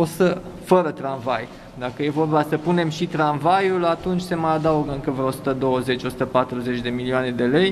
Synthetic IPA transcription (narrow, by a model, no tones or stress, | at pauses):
osəfəɾət̪ɾanvaj | d̪akəje̞vo̞rbasəpune̞mʃit̪ɾanvajulat̪unt͡ʃʲse̞məjad̪auɡɨŋkəveosu̥t̪əd̪o̞wəze̞t͡ʃo̞sut̪əpat̪ɾuze̞t͡ʃʲd̪e̞milioane̞d̪e̞le̞j